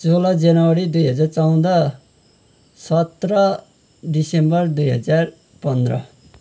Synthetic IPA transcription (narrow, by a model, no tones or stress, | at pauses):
t͡solʌd͡zanʌwʌɾid̪ujɦʌd͡zart͡sʌw̃d̪ʌ | sʌt̪rʌ | disembʌrd̪ujɦʌ̰d͡zar | pʌnd̪rʌ̰